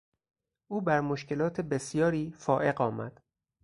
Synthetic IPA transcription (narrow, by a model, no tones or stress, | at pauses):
ʔuːbæɾmoʃkʰe̞lɒːt̪ʰebe̞sjɒːɾiːfɒːʔe̞ɢɒːmæ̰d̪̥